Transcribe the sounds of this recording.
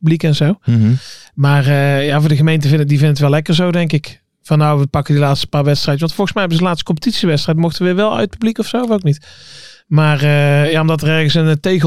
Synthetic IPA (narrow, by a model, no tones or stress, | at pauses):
pblikɛnzow | maːrəjaːvʊːɹdəɣəmejntəvɪndivɪndətʋɛlɛkəɹzowdɛŋkɪk | vɑnːowʋəpɑkədilaːtstə̥paːɹʋɛtstrɛjtəsʋɑntfɔlˠɣəsmɛjɦɛbəzədəlaːtstə̥kɔmpətitsiʋɛtstrɛjtmɔxtəʋəʋɪʋɛlˠœ̰ɥt̚pyblikɔfsowvowknit | maːrəjaːɔmdɑt̬ərɛrɣəsəntejɣ